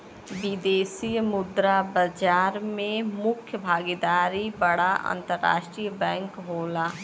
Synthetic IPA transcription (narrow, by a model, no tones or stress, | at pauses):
bid̪eːsijmʊd̪ɾabəd͡ʒaːɾmẽmʊkʰjəbʱaːɡid̪aːɾibəɽaʔə̰̃nt̪əɾːa̰ːʃʈɾijbɛ̃ːŋkɦoːlaː